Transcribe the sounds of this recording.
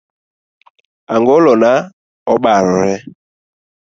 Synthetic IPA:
aŋɡɔlɔna | ɔɓaɾɔɾɛ

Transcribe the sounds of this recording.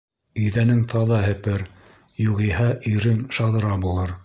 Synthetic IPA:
ɵ̆jðænɘŋt̪ʰɑðɑɦɘ̆pɘɾ | juʁihæʔiɾɘŋʃɑðɤ̆ɾɑbulˠɤɾ

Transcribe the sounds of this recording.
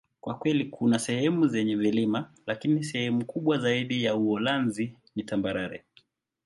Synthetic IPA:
kwakwɛlikʰunasɛhɛmuzɛɲɛvilimalakinis̬ɛhɛmukuɓwazaiɗijauɔlanzi | nitambaɾaɾɛ̰

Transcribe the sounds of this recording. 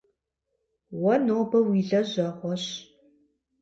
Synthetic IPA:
wɐnoːbɐwiːɮɐʑɐʁʷɔɕ

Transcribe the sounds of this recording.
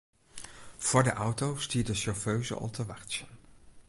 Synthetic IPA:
v̥ʊːɹdəʔʌwtowstiːɹdəʃɔɹføɥzə̰ʔɔ̰lˠtʰəʋɑrt͡ʃən

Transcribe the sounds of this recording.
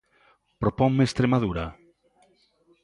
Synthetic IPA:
pɾopɔŋmeest̪ɾemaðuɾa

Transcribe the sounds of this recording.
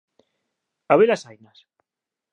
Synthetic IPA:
aβelasajnas

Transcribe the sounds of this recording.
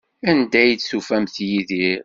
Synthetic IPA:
ænd̪æjd̪sufæmθjiðiɾ

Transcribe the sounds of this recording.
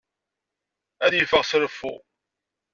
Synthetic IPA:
æðjəfəʁsɾəfːṵ

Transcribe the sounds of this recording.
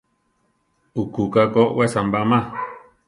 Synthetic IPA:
ukukakowesambamã

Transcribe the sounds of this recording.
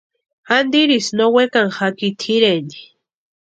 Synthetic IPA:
and̪iɾisnowekaŋxakit̪ʰiɾeni̥

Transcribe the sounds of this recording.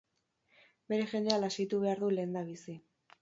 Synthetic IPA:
be̞ɾe̞ʝe̞nd̪ealasijt̪uβe̞aɾðule̞ːnd̪aβ̞isi

